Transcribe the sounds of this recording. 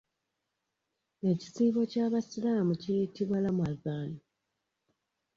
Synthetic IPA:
e̞ci̥siːɡo̞caβasilaːmucijitiβwalamwazaːnu

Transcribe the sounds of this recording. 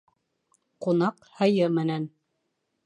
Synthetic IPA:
qunɑqhɤ̆jɤmɘ̆næn

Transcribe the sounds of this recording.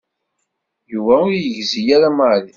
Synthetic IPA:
juvæʊɾjəʝzijaɾamali

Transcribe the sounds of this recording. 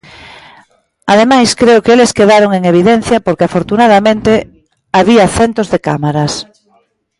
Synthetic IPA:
aðemajskɾeokeleskeðaɾoŋeŋeβ̞iðen̟θjɐpoɾkeafoɾt̪unað̞amẽnt̪e | aβiɐθent̪ozðeka̰maɾɐs

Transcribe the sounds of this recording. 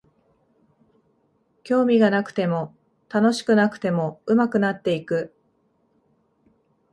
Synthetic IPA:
kʲo̞ːmʲiɡanakɯ̟̥t̪e̞mo̞ | t̪ano̞ɕi̥kɯ̟nakɯ̟̥t̪e̞mo̞ɯ̟makɯ̟nat̪ːe̞ikɯ̟

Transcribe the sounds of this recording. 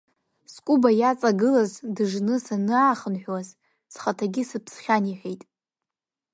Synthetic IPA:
skʷʼubajat͡sʼaɡɨlazdɨʐnɨsanɨaχənħʷᶣwaz | sχatʰaɡʲɪsɨpʰsχʲaniħejtʼ

